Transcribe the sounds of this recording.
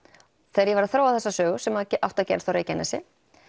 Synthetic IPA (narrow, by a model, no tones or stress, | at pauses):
θeːɾjɛvaɾaθɾoːwaθɛsːasœːɣʏsɛmaðcʔa̰wft̪acɛ̰ɾst̪θawɾeːjcɛnːɛsɪ̰